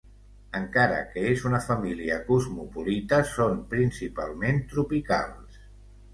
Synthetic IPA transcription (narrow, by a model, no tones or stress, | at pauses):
əŋkaɾə̰kəezunəfəmiliəkuzmupulit̪əsompɾinsipa̰lˠment̪ɾupika̰lˠs